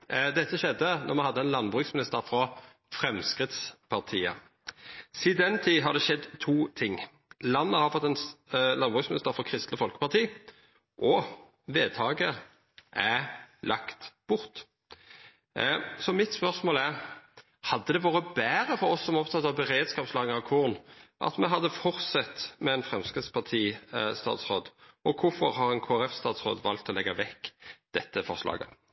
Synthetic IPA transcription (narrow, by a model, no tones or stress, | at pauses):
d̪ɛt̪ːəʃɛd̪ːənɔʁmɛhɑd̪ːəɛnlɑnbʁʉːksmɪnɪst̪əɾfʁɑ | fʁɛmskʁɪt̪spʰɑʁt̪ʰiːə̰ | sɪd̪ɛnt̪ʰiːɦɑd̪ɛʃɛd̪t̪ʰuːt̪ʰɪŋː | lɑnːəhɑʁfɔt̪ːɛnlɑnbʁʉːksmɪnɪst̪əɾfɔʁkʰʁɪst̪ləfɔlkə̥pɑʁt̪ʰiː | ʔɔ | ʋeːd̪ʰɑːɡə | ʔælʔɑkt̪b̥ʊʁt̪ | sɔmɪt̪spœʁsmoːlæʁ | hɑd̪ːəd̪ɛʋuːʁɾəbæːɾəfɔɾɔsːɔmɔpt̪ʰɑt̪ːɑʋbəʁeːd̪skɑːpslɑːɡənɑʋkʰʊʁnʔɑ̰t̪mɛɦɑd̪ːəfɔʁt̪sɛt̪mɛɛnfʁɛmskʁɪt̪spʰɑʁt̪ʰiːst̪ɑ̰ːt̪sʁoːd̪ɔkʰʊfɔʁhɑɾɛnkʰoːæɾɛfst̪ɑːt̪sʁo̰ːd̪ʋɑlt̪ʰːɔlɛɡːɑʋɛkːd̪̥ɛt̪ːəfɔʁslɑ̰ːɡə̰